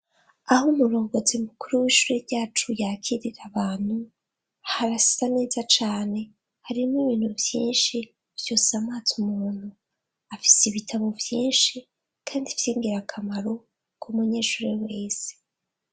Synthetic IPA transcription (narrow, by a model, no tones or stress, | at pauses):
ahumuɾo̞ːŋɡo̞t͡siumukuɾuwiːʃuɾeɾɟaːt͡ʃujakiɾiɾaβaːn̥hu | haɾasi̥zane̞ːzat͡ʃaːne̞ | haɾimiβiːn̥huvjiːnʃi | v̥josamaːt͡sumuːn̥hu | afi̥siβitʰaβovjiːnʃi | kʰaːndivjiːŋɡiɾakʰamaɾo̞ | kʰumuɲe̞ːʃuːɾiwe̞ːse̥